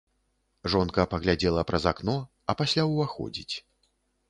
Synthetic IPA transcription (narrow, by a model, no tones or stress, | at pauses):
ʐɔnkɐpɐɣlʲad͡zʲɛlˠɐpɾɐzaknɔ | ɐpasʲlʲawvaxɔ̰d͡zʲit͡sʲ